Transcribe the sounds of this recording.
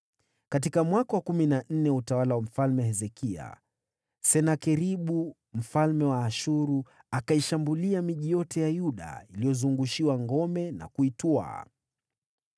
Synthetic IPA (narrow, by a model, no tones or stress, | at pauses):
kat̬ikamwakawakuminan̩nɛutawalawam̩falmɛhɛzɛkʰia̰ | sɛnakɛɾiɓu | m̩falmɛwaːʃuɾu | akaiʃambuliamiʄijɔtɛjajuɗa̰ilijɔzuŋɡuʃiwaŋɡɔmɛna̰kuitua̰